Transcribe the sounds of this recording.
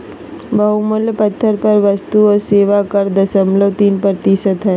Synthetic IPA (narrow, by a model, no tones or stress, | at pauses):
bʱɐɦuməlpət̪ʰːəɾpəɾʋəst̪uɔɾseːʋakəɾd̪ɐsəmləʋt̪iːnpəɾt̪isəd̪ɦɛː